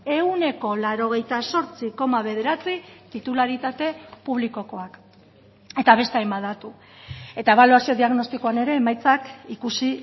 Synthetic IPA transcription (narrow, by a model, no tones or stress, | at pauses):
e̞une̞ko̞laɾo̞ɣ̞e̞jt̪aso̞ɾt͡siko̞maβe̞ðe̞ɾat͡sit̪it̪ulaɾit̪at̪e̞puβ̞liko̞ko̞ak | e̞t̪aβ̞e̞st̪eajmaðat̪u | e̞t̪ae̞β̞aluasio̞ðiaɣno̞st̪ikoane̞ɾe̞ːmajt͡sakikusi